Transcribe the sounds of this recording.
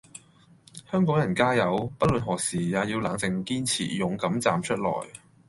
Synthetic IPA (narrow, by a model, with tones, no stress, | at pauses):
hœː˥ŋkɔː˨˥ŋjɐ˨˩nkaː˥jɐ˨˧wpɐ˥t̚lə˨nɦɔː˨˩k̚siː˨˩jaː˨˧jiː˧wlaː˨˥ŋt͡sɪ˨˧ŋkiː˥nt͡sʰḭː˨˩jʊ˨ŋkɐ˨˥mt͡saː˨mt͡ʃʰɵ˥t̚lɔ̰ː˨˩j